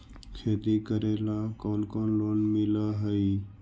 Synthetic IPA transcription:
kʰeːt̪ikəɾeːlakoːnkoːnloːnmɪlaɦəi

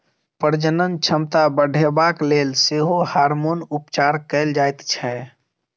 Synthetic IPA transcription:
pəɾd͡ʒənənt͡ʃʰəmt̪abəɖʱebaːkleːlseːɦohaːɾmonʊpt͡ʃaːɾkəɪld͡ʒaːjt̪t͡ʃʰɛ

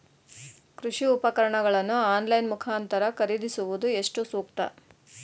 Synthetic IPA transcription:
kɾuʂiupɐkɐɾɐɳɐɡɐɭɐnːuaːnlɐjnmukʰaːnt̪ɐɾɐkɐɾid̪isuʋud̪ue̞ʂʈusuːkt̪ɐ̰

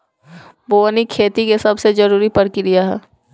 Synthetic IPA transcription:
boːnikʰeːt̪ikesɐbsed͡ʒɐɾuːɾipɐɽkiɾijaɦɛː

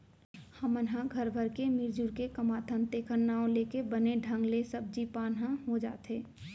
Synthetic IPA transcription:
həmənɦãɡʱəɾbʱəɾkemɪɾd͡ʒuɾkekəmaːt̪ʰənt̪eːkʰənːaːõleːkebəneɖʱə̃ŋɡlesəb̚d͡ʒipaːnɦãɦod͡ʒa̰ːt̪ɦeː

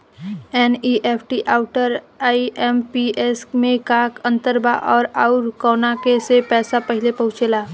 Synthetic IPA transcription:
ɛːniːʔeːpʰʈiʔaːʊʈəɾ | aːiɛmpiʔesmẽkaːkə̃nt̪əɾba̰ʔɔːɾaʊɾkɔːnakesepɛːsapəɦɪlepɐ̃ɦʊ̃t͡ʃeːlaː

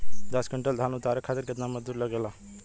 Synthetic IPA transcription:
d̪ɐsɡəɳʈəld̪ʱaːnʊt̪aːɾəkʰaːt̪əɾkət̪naməzd̪uːɾləɡela

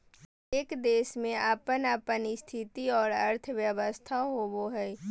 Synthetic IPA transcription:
eːkd̪eːsmẽaːpənaːpənist̪ʰɪt̪iɔːɾəɾt̪ʰəʋjəʋəst̪ʰaɦoboɦɛː

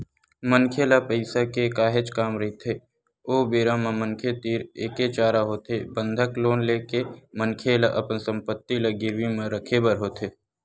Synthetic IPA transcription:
mənkʰelapəɪsakekaːɦet͡ʃkaːmɾit̪ʰeː | oːbeːɾamãməŋkʰet̪iːɾeːket͡ʃaːɾaɦoːt̪ebə̃nd̪ʱəkloːnleːkemənkʰeːlaʔɐpənsə̃mpət̪ːiləɡɪɾwimẽɾəkʰebəɾɦoːt̪eː

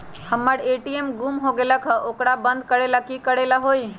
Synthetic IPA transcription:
həmːəɾeʈiemɡumɦoɡeləkʰəʔokɾabənd̪̚kəɾelakikəɽelaɦoj

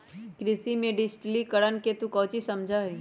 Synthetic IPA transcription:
kɾɪsimẽɖɪd͡ʒʈlikəɽənket̪ũkɔːt͡ʃisɐmd͡ʒʱai

